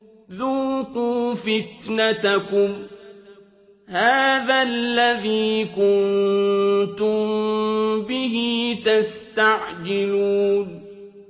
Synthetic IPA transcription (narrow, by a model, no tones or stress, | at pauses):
ðuːquːfɪt̪nat̪akʊm | haːðalːaðiːkʊn | t̪ʊm | bɪɦiːt̪ast̪aʕd͡ʒɪluːn